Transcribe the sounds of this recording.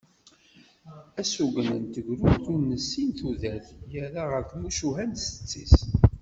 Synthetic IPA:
æsuɡənə̰nt̪əʝɾuɾθunːəsːinθuðæθjəɾaʁəkːmuʃuɦænsə̥t͡sːis

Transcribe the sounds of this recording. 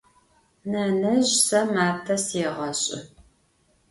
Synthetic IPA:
nɐnɐʑsɐmaːp̚tʰɐseʁɐɕʼɪ̰

